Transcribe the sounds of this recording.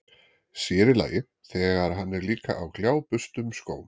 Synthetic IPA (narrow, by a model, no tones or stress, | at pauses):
sjɛːɾɪla̰ːjɪ | θɛːɣaɾ̥ɦanːɛɾliːka̰ʔawkljaːwpʏst̪ʏmskoːwn